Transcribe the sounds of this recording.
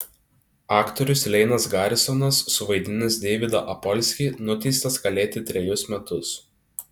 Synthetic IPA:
ɑːkt̪ɔɾʲʊslʲɛɪnɐsɡɑːɾʲɪsɔnɐsːʊʋɐɪd̪ʲɪnʲɪsd̪ʲeːʋʲɪd̪ɐʔɐpɔlʲsʲkʲiːnʊt̪ʲɛɪst̪ɐsɡɐlʲeːt̪ʲɪt̪ʲɾʲɛjʊsmʲɛt̪ʊs

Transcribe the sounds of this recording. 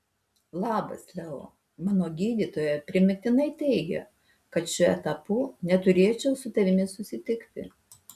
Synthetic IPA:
lˠɑːbɐ̰slʲɛo̰ | mɑːnoːɡʲiːd̪ʲiːt̪oːjɛpʲɾʲɪmʲɪt̪ʲɪnɐɪt̪ʲɛɪɡʲɛ̰ | kɐt̪ʃʲʊɛ̰t̪ɐpuːnʲɛt̪ʊɾʲeːt͡ʃʲɛʊsʊt̪ɐʋʲɪmʲɪsʊsʲɪt̪ʲɪkt̪ʲɪ̰

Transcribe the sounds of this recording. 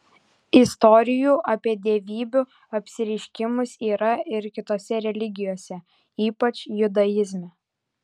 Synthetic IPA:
ɪst̪ɔɾʲɪjuːʔɐpʲiɛd̪ʲeʋʲiːbʲu | ɐpʲsʲɪɾʲɛɪʃʲkʲɪmʊsiːɾɐɪɾkʲɪt̪oːsʲɛɾʲɛlʲɪɡʲɪjoːsʲɛ | iːpɐt͡ʃʲjʊd̪ɐjɪzʲmʲɛ

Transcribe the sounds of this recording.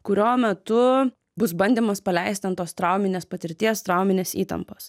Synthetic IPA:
kʊɾʲoːmʲɛt̪ʊ | bʊsbɐnʲd̪ʲiːmɐspɐlʲɛɪsʲt̪ʲɐnt̪oːst̪ɾɑˑʊmʲɪnʲeːspɐt̪ʲɪɾʲt̪ʲiɛst̪ɾɑʊmʲɪnʲeːsḭːt̪ɐ̰mpoːs

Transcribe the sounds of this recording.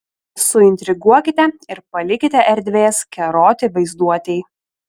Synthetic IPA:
sʊɪnʲt̪ʲɾʲɪɡuɔkʲɪt̪ʲɛɪɾpɐlʲɪkʲɪt̪ʲɛʔɛɾʲd̪ʲʋʲeːskʲɛɾoːt̪ʲɪʋɐɪzd̪uɔt̪ʲɛɪ

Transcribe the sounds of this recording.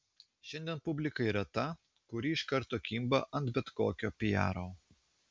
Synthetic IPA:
ʃʲɛnʲd̪ʲiɛnpʊbʲlʲɪkɐiɾɐt̪ɐ | kʊɾʲiːɪʃkɐɾˑt̪oːkʲimbɐʔɐnt̪bʲɛt̪koːkʲoːpʲɪjæ̰ːɾoː

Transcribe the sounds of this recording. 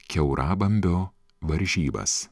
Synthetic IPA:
kʲɛʊɾʔɑːbɐmʲbʲoː | ʋɐɾʲʒʲiːbɐ̰s

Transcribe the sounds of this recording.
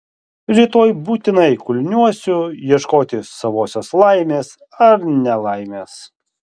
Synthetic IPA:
ɾʲiːt̪oːjbuːt̪ʲɪnɐɪkʊlʲnʲuɔsʲʊjiɛʃkoːt̪ʲɪsɐʋoːsʲoːslˠɐɪmʲeːs | ɐɾnʲɛlˠɐɪmʲeːs

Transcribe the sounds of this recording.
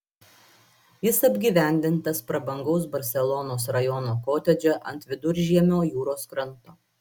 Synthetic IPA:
jɪsɐbʲɡʲiːʋʲæˑnʲd̪ʲɪnt̪ɐspɾɐbɐŋɡɐʊsbɐɾʲsʲɛlˠɔnoːsɾɐjɔnoːkoːt̪ʲɛd͡ʒʲɛʔɐnt̪ʋʲɪd̪ʊɾʲʒʲiɛmʲoːjuːɾoːskɾɐnt̪oː

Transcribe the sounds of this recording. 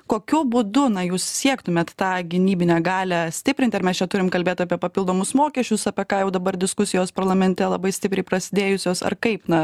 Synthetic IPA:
koːkʲʊbʊd̪ʊnɐjuːssʲiɛkt̪ʊmʲeːt̪t̪ɑːɡʲɪnʲiːbʲɪnʲɛːɡɑːlʲɛsʲt̪ʲɪpʲɾʲɪnt̪ʲɪɐɾmʲɛst͡ʃʲɛt̪ʊɾʲɪmkɐlʲbʲeːt̪ʲɐːpʲiɛpɐpʲilˠd̪oːmʊsmoːkʲɛʃʲt͡ʃʲʊsɐpʲɛkɑːjɛʊd̪ɐbɐrd̪ʲɪskʊsʲɪjoːspɐɾlˠɐmʲɛnʲt̪ʲɛlˠɐbɐɪsʲt̪ʲɪpɾʲɛɪpɾɐsʲɪd̪ʲeːjʊsʲoːsɐ̰rkɐɪpnɐ

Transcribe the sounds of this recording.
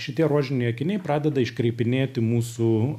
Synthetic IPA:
ʃʲɪt̪ʲiɛɾoɔʒʲɪnʲɛɪɐkʲɪnʲɛɪpɾɑːd̪ʲɛd̪ɐɪʃkɾʲɛɪpʲɪnʲeːt̪ʲɪmuːsu

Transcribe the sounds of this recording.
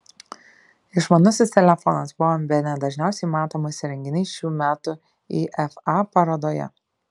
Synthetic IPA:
ɪʃmɐnʊsʲɪst̪ʲɛlʲɛfɔnɐsbʊʋoːbʲɛnʲɛd̪ɐʒʲnʲæˑʊsʲɛɪmɑːt̪oːmʊsʲɪɾʲɛŋʲɡʲɪnʲɛɪʃʲuːmʲæːt̪ʊ | iːʔɛfɑpɐɾoːd̪oːjɛ̰

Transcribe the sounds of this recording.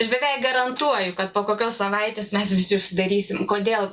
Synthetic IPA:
ɐʃbʲɛʋʲɛɪkɡɐɾɐnt̪uɔjʊkɐt̪poːkoːkʲoːssɐʋɐɪt̪ʲeːsmʲɛsʋʲɪsʲɪʊʃʲsʲɪd̪ɐɾʲiːsʲɪmkoːd̪ʲeːlˠ

